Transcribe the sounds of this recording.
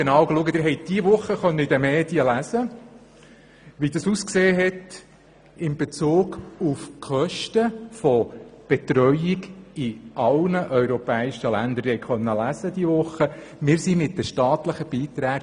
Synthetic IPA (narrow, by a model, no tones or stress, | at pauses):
ɡ̥enɑːwɡluəɡət̪ɪɾɦɛɪt̚d̥iəʋʊχːəχœnːəid̪ɛmeːd̥iəlæzə | ʋid̪ɑsuskseːɦɛt | ɪnb̥et͡suːɡufkʰœʃtəfɔb̥et̪ɾœʏiɡiɑlnəʔœʏɾɔpɛːɪʃəlænd̪əɾhɛɪχœnːəlæzəd̥̪iəʋʊχːə | mɪːɾsimɪt̚d̪əʃtɑːt̪ləχəb̥iːt̪ɾæːɡ